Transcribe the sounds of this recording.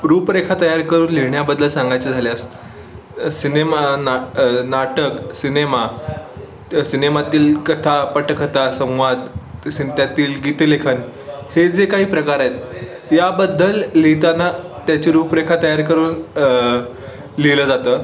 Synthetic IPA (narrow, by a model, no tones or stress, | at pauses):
ɾuːpɾekʰat̪əjaɾkəɾuːnliɳjabəd̪ʱːəlsãŋɡajt͡səd͡zʱaleəst̪ | sinemannaʈəksinema | sinemat̪iːlkət̪ʰapəʈəkʰət̪asə̃w̃ʋad̪sint̪jat̪iːlɡit̪əlekʰən | hed͡zekaɦiːpɾəkaɾajet̪̚ | jabəd̪ːəlːit̪anat̪jat͡ɕiɾupɾekʰat̪əjaɾkəɾuːn | liləd͡zat̪əː